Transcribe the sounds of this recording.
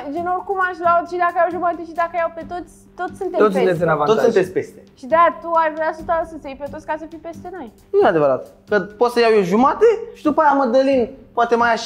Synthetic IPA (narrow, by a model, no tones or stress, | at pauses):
d͡ʒenorkumaʃʲvat̪ʃid̪akəjawʒumat̪eʃid̪akəjawpet̪ot̪sʲt̪ot̪sʲsunt̪eost̪esinavot̪sunt̪esʲpest̪eʃid̪at̪uaʃvɾasut̪asəsʲejpet̪ot̪sʲkasəfipe̞st̪e̞no̞j | nuead̪evəɾat̪ | kəpot̪səjawjoʒumat̪eʃid̪upajaməd̪əlinpoat̪emaja